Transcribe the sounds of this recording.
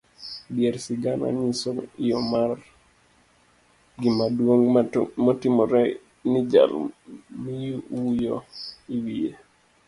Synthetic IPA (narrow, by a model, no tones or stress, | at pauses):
bijeɾsiɡana̰ɲisɔjɔmar | ɡimadwoŋmɔtɪmɔɾɛ | nid͡ʒa̰lmijuujo̰iwije